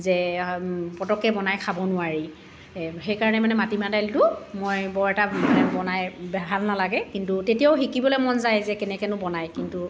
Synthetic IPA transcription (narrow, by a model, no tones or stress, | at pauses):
zɛ | pɔtɔkːɛbɔnajkʰabɔnʊaɹi | xejkaɹɔnɛmanɛmatimadajltʊmojbɔɹɛtamanɛbɔnajbɛbʱalnalaɡɛkintutetijawʊxikibɔlejmɔnzajzɛkɛnɛkɛnʊbɔnajkintu